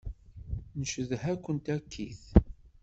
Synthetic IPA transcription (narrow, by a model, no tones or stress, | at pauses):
nəʃəðhækʷːənt̪ækʰːiθ